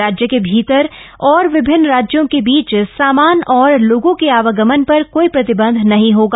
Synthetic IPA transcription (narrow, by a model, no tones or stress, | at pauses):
aːd͡ʒjəkebʱiːt̪əɾɔːɾʋɪbʱɪnːɾaːd͡ʒjõkebiːt͡ʃsaːmaːnɔːɾloːɡõkeaːʋəɡəmənpɐɾkoːipɾɐt̪ɪbə̃nd̪ʱnɐɦĩɦoːɡaː